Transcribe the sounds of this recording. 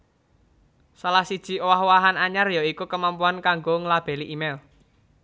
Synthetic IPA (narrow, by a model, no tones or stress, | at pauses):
salahsid̥ʒ̥i̤owaɦwaɦanaɲarjɔikukəmampuankaŋɡoŋlab̥ɛ̤liʔimɛl